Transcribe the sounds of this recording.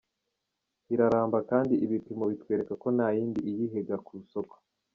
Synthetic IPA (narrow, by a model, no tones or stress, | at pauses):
iɾaɾaːmbakaːndiʔiβipimo̞βitwe̞ːɾe̞kako̞najiːndiʔijiɦe̞ɡakuuso̞ko̥